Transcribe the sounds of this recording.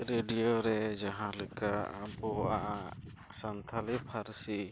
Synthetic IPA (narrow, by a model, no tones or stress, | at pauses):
ɾeɖijoɾɛd͡ʒaɦãlɛkaʔbɔʔaʔa | sant̪ʰalipʰaɾsi